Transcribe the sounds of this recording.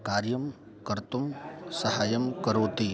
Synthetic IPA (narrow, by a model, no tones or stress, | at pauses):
kaːɾjəm | kɐɾt̪umsɐɦaːjəmkɐɾoːt̪i